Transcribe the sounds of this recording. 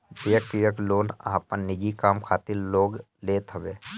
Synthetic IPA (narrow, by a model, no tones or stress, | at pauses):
d͡ʒɪjəkijəkloːnə̰ãpənɪd͡ʒikaːmkʰaːt̪ɪɾloːɡ | leːt̪ʰəʋbeː